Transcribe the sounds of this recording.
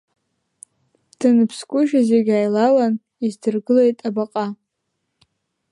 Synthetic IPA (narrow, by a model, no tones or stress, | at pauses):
d̥ɨnɨpʰskʷʼʊʒᶣazeɡʲaːjlawan | izdɨrɡɨle̞jtʼabaqʼa